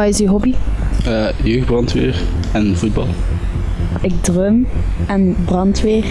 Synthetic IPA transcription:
aːɪsyːɦɔbiəjøɥxdbrɑntʋḛːɹɛnvud̚bɑ̰lˠ | ɪɡ̚drømɛnbrɑntʋeːr

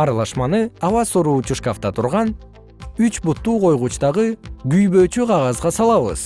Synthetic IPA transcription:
ɑɾɑlˠɑʃmɑnɯɑwɑsuɾuːt͡ʃuʃkaft̪ɑt̪ʰuɾʁɑn | yt͡ʃbut̪ːuːqʰo̞jʁuːt͡ʃt̪ɑʁɯɡyjbø̞ːt͡ʃyqʰɑʁɑzʁɑsɑlˠɑβɯ̰z̥

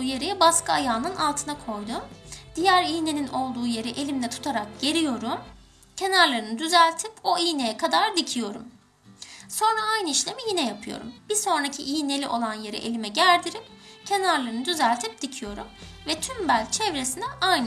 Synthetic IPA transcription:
uje̞ɾijɛbaskɯajaːnɯnalˠt̪ʰɯnakʰo̞jd̪ʊd̪̥ijæɾijne̞ninʔo̞lˠd̪uːje̞ɾiʔe̞lʲimd̪ɛt̪ʰu̥t̪ʰaɾak̚ɟ̥e̞ɾijo̞ɾu | cʰe̞naɾlˠaɾɯnɯd̪yzælʲt̪ʰipo̞ijnejɛkʰad̪aɾd̪icʰijo̞ɾṵm | so̞nɾaajnɯiʃlʲe̞mijinɛjapʰɯjo̰ɾṵmb̥iɾso̞nɾacʰiʔijine̞lʲiʔo̞lˠanje̞ɾḭʔelʲimɛɟæɾd̪iɾipcʰe̞naɾlˠaɾɯnɯd̪yzælʲt̪ʰip̚d̪̥icʰijo̞ɾumvɛt̪ʰymbælʲt͡ʃʰɛvɾesinɛajn

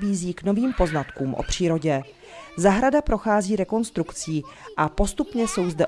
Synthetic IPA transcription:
biːziːkno̞viːmpo̞znat̪kuːmʔo̰pr̝̥iːɾo̞ɟɛ | zaɦɾadapɾo̞xaːziːɾɛko̞nst̪ɾukt͡siː | ʔapo̞st̪upɲɛso̞wzdɛ

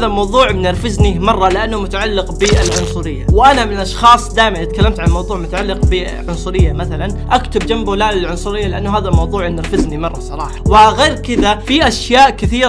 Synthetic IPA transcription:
ðamɑwðˤuːʕnɪɾfɪznimɑrˤːɑlɪʔanːʊmʊt̪aʕalːɪqbɪɪlʕʊnsˤʊɾɪjːawʔanamɪnʔɑʃxɑːsˤd̪aːjmaʔɪt̪̚kalːɪmt̪ʕallmɑwðˤuːʕmʊt̪aʕalːɪqbɪ | ʕʊnsˤʊɾɪjːamaθalanʔakt̪ʊbd͡ʒambulaːlɪlʕʊnsˤʊɾɪjːalɪʔanːʊɦaːðalmɑwðˤuːʕɪmnɪɾfɪznimɑrˤːɑsˤɑɾˤɑːħɑ̥wɪɣeːɾkɪðafiʔaʃjaːʔkɪθiːɾ

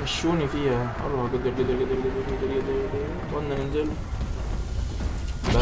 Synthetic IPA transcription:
mæʃːuːnifiːhæʔɑ̰ɾˤɑhɑɡed̪eɾɡed̪eɾɡed̪eɾɡeɾd̪eɾɡed̪eɾɡed̪eɾɡed̪e | t̪ˤɑnːæʔenzel | bæ

